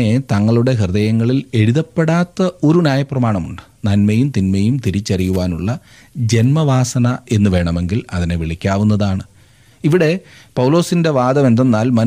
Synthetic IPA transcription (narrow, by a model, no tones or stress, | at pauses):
et̪ɐŋːɐɭuɽe̞ɦird̪ɐjɐŋːɐɭile̞ɽuðɐpːe̞ɽaːt̪ːɐo̞ɾunʲjaːjɐprɐmaːɳɐmuɳɖɨ̥nɐnmɐjumt̪inmɐjumt̪iɾit͡ɕːɐrijuʋaːnuɭːɐ | d͡ʑe̞nmɐʋaːsɐnɐe̞nːuʋe̞ːɳɐme̞ŋɡilɐðine̞ʋiɭikʲːaːʋunːɐðaːɳɨ | iʋiɽe̞pɐwlo̞ːsinde̞ʋaːd̪ɐmend̪ɐnːaːlmɐn